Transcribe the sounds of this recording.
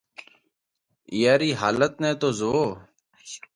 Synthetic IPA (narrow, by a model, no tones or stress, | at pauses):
ɪjaːɾiːɦa̰ːlət̪nɛ̃ːt̪oːzoː